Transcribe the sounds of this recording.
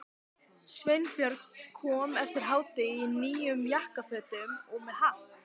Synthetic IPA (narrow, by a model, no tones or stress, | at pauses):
svejnpjœɾkkʰɔːmɛft̪ɪɾ̥ɦaːwt̪ɪiniːjʏmjahkafœːt̪ʏmɔɣmɛðhaht̪